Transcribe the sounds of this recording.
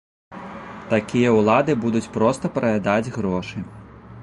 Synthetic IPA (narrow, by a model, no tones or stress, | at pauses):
t̪akʲijɐuwlˠad̪ɨbud̪ut͡sʲpɾɔst̪ɐpɾɐjʲad̪ad͡zʲɣɾɔʂɨ